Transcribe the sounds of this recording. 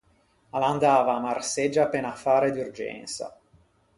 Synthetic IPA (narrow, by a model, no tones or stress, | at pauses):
aland̪aːvaːmarsed͡ʒːaːpːeːnafaːɾed̪urd͡ʒɛ̰nsa̰